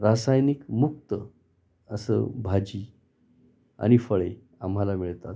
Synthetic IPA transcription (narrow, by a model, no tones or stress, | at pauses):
ɾasajnikmuk̚t̪ə | əsə̰bʱad͡ʑiː | a̰ɽ̃ifəɭe | amɦalamiɭt̪at̪